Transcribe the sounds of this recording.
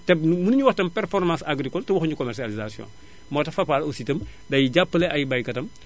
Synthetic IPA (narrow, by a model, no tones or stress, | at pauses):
tɛbnumunuɲuwɐxtɐmpɛrfɔrmãsaɡɾikɔltɛwɔxɲukɔmɛsializasijɔ̰̃n | mɔːtɐfɐpaːlositɐm | dɐjiɟapːlɛʔɐjbɐjkɐtɐm